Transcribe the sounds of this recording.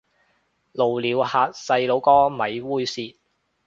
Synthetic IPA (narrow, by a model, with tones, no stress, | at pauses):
lo˨˩wliː˨˧whaː˧t̚sɐ˧jlo˨˧wkɔː˥mɐ˨jwuː˥jsiː˧t̚